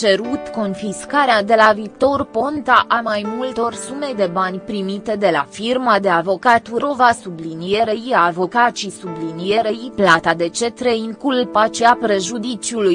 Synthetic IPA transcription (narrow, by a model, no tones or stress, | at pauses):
t͡ʃe̞ɾut̪ko̞nfiskaɾead̪e̞laviːt̪o̞rpo̞nt̪aʔamajmult̪o̞rsume̞d̪e̞banʲpɾimit̪e̞d̪e̞lafirmad̪e̞avo̞kat̪uɾo̞vasublinije̞ɾejiaːvo̞kat͡ʃisublinije̞ɾejiplat̪ad̪e̞t͡ʃe̞t̪ɾeiŋkulpat͡ʃeapɾe̞ʒud̪it͡ʃiuluj